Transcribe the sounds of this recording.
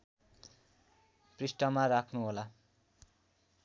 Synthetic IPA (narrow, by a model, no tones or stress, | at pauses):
prisʈʌmaɾakʰnuɦola